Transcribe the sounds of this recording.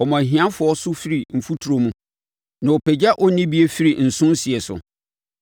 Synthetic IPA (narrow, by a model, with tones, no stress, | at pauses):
ɔ˨mã˨ɦĩ˨˦ã˦fʊ˨ɔ˦sʊ˦fi˦ɾi˨m̩˨fu˦tʰu˨ɾo˨mũ˦ | nã˨o˨pʰɛ˨d͡ʑa˦ʔɔ˦nĩ˦bi˦e˦fi˦ɾi˨n̩˨sʊ̃˦n˦si˨ɛ˨sʊ̰˨